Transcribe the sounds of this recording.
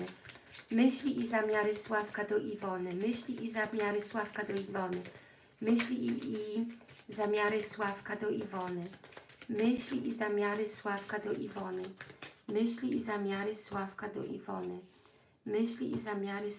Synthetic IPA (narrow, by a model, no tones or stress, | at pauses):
mɘɕlʲiʔizamʲjaɾɘswafkad̪ɔʔivɔnɘmɘɕlʲiʔizamʲjaɾɘswafkad̪ɔivɔnɘ | mɘɕlʲiizamʲjaɾɘswafkad̪ɔʔivɔnɘmɘɕlʲiʔizamʲjaɾɘswafkad̪ɔʔivɔnɘmɘɕlʲiizamʲjaɾɘswafkad̪ɔ̰ʔḭvɔnɘ | mɘɕlʲiʔizamʲjaɾɘ